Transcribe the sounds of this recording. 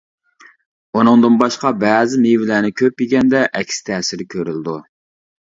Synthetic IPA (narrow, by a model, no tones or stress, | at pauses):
unɨŋd̪ɨnbɑʃqɑbɛːzɪmivɪlæːnɪkʲʰøp̚jiɡʲɛnd̪ɛʔɛkʲʰsɪ̥t̪ʰɛːsɪɾkʲʰøɾylɪd̪u